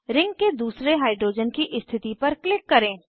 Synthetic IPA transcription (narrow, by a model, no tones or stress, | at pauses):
ɾɪ̃ŋɡ̚ked̪uːsɾeɦaːɪɖɾoːd͡ʒənkiʔɪst̪ʰɪt̪ipɐɾklɪkːɐɾẽː